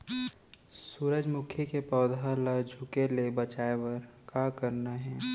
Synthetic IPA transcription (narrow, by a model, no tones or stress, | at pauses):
suːɾəd͡ʒmʊkʰjəkepɔːd̪ʱalad͡ʒʱukelebət͡ʃaːewəɾkakəɾnaɦɛ̃ː